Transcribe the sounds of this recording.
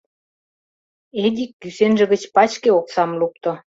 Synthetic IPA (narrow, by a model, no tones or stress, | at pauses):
ed̪ʲikːysenʒə̆ɣə̆t͡ɕpɑt͡ɕkeoksɑmluk̚t̪ŏ